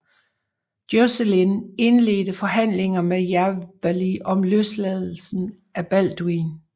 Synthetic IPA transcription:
d̥joselene̝nle̝̰ːd̥əfɒ̽ɦæn̰leŋɐmejæʋæliʔɒ̽mløslɛðˠl̩sn̩ | æb̥æl̰d̥uin

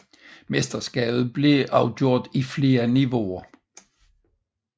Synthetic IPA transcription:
mesd̥ɐsɡ̥ɛ̰ːb̥ð̞̩ˠb̥le̝ʔɑ̈ʊɡ̥jo̝ɐ̰d̥ifle̝ːɐniʋo̝ɐ

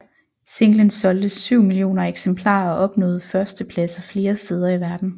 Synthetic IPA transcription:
se̝ŋ̰lənsɒ̽ld̥əsːyʊ̰milio̝̰ːnɐeɡ̥sempʰlɑ̰̈ːɒ̽ʔɒ̽b̥nɔ̽ːð̩ˠfɶɐsd̥əpʰlæsɒfle̝ːɐsd̥eːð̞ˠɐiʋæɐd̥n̩

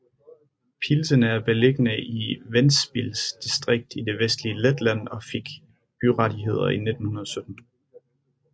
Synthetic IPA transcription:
pʰilsənəæɐb̥e̝leɡ̥ənəʔiʋensb̥ilsd̥isd̥ʁeɡ̥̚d̥id̥e̝ʋesd̥liəled̥læn̰ɒ̽fe̝ɡ̥ | b̥yʁɑ̈diɦe̝ð̞̰ˠɐ̰ine̝d̥n̩hunɐðˠɒ̽sød̥n̩

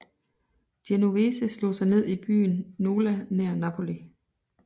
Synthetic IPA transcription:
d̥jenuʋesəslo̝̰ːsɑ̈ɪne̝ð̞̰ˠib̥y̰ːnːo̝ːlæneɐ̰nɑpʰo̝li

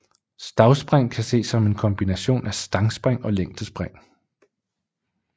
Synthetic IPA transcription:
sd̥ɑ̈ʊsb̥ʁaŋ̰kʰæse̝̰ːsɒ̽me̝nkʰɒ̽mb̥inæɕo̝̰ːnæsd̥ɑ̈ŋsb̥ʁaŋ̰ɒ̽leŋ̰d̥əsb̥ʁaŋ̰

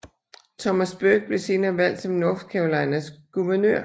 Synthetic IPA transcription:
t͡sʰɒ̽mæsb̥øɡ̥̚b̥le̝se̝ːnɐːʋæl̰d̥sɒ̽mnɔ̽fd̥kʰɛʊlɑ̈ɪnəsɡ̥uʋɐnø̰ɐ̰

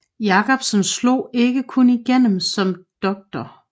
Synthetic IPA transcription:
jɑ̈ːkʰɒ̽b̥sɒmslo̝̰ːe̝ɡ̥əkʰuniɡ̥en̰m̩sɒ̽md̥ɒ̽ɡ̥̚d̥ɐ

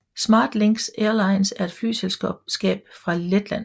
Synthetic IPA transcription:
smɑ̰̈ːd̥leŋɡ̥seːɐlɑ̈ɪnsæɐe̝d̥fly̰ːselssɡ̥ɛ̰ːb̥fʁɑ̈led̥læn̰

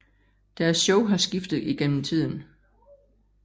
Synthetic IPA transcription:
d̥æɐsɕɔʊɦɑ̈sɡ̥ifd̥ð̩ˠiɡ̥en̰m̩t͡sʰið̰ˠn̩

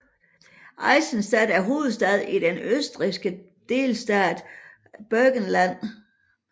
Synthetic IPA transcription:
ʔɑ̈ɪsənsd̥ɛd̥æɐɦo̝ːð̩ˠsd̥ɛð̞ˠid̥enøsd̥ʁisɡ̥ə | d̥e̝̰lsd̥æːd̥ | b̥œɡ̥ənlæn̰

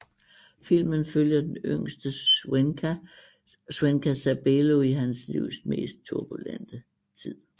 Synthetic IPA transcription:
fil̰mənføljɐd̥enøŋ̰sd̥ə | swenkʰæsæb̥elo̝iɦænslḭʊ̰sme̝̰ːsd̥̚t͡sʰuɐb̥ulæn̰d̥ə | t͡sʰið̰ˠ

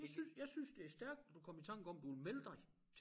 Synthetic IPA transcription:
sysjɑ̈ɪsynsd̥e̝æɐsd̥æɐɡ̥̚d̥d̥ukʰɒ̽mit͡sʰɑ̈ŋ̰ɡ̥əɒ̽m̰d̥uʋelmeləd̥ɑ̈ɪ | t͡sʰ

